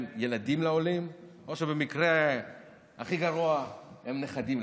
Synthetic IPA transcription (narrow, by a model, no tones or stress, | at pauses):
mjelad̪imlao̞lim | o̞ʃebe̞mikʁe | aχiɡaʁuahemneχad̪im